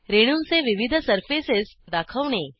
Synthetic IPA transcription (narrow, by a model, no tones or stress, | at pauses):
ɾeɽ̃unseʋiʋid̪ʱsəɾfisesd̪akʰəʋɳe